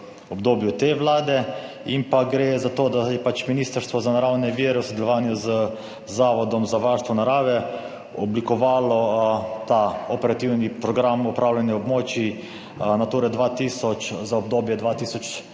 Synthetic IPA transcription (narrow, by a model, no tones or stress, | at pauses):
ɔbd̪oːbjut̪eʋlaːd̪ɛ | impaɡɾeːzat̪oːd̪ajɛpat͡ʃminiːst̪əɾst̪ʋɔzanaɾawnɛʋiːɾɛwsod̪ɛlɔʋaːnjuzə | zaːʋɔd̪ɔmzaʋaɾst̪ʋɔnaɾaːʋɛ | ɔblikɔʋaːlɔt̪aɔpɛɾat̪iwnipɾɔɡɾamɔpɾaːwlʲanjɛɔbmoːt͡ʃi | nat̪uːɾɛd̪ʋat̪iːsɔt͡ʃzaɔb̚d̪oːbjɛd̪ʋaːt̪iːsɔt͡ʃ